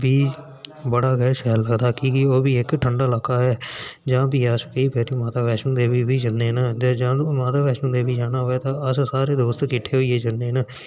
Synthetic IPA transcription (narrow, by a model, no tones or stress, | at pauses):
biː | bəɽaːɡɛːʃɛːlːəɡd̪aːkiːkɪoːbiːɪkʈʰəɳɖaːlaːkaːɦɛːd͡ʒãːbiːaskəiːpɛːɾiːmaːt̪aːbɛːʃũːd̪eːbiːbiːd͡ʒənːeːnad͡ʒd͡ʒãːmaːt̪aːʋɛːʃũːd̪eːbiːd͡ʒaːnaːɦoːeːt̪ãːəssaːɾeːd̪oːst̪kɪʈʰeːɦoiːeːd͡ʒənːeːna